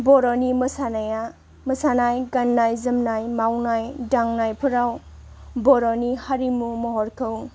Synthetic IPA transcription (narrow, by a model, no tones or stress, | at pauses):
bɔɾɔnimɯsanaja | məsanajɡanːajzɯmnajmawnajdaŋnajpʰɯɾaw | bɔɾɔnihaɾimumɔɦɔɾkʰɯw